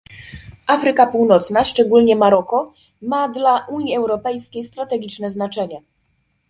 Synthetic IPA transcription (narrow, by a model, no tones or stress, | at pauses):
ʔafɾɘkapuwnɔt̪snaʂt͡ʂɛɡulɲɛmaɾɔkɔ | mad̪laʔuɲiɛwɾɔpɛjskʲejst̪ɾat̪ɛɡʲit͡ʂnɛznat͡ʂɛɲɛ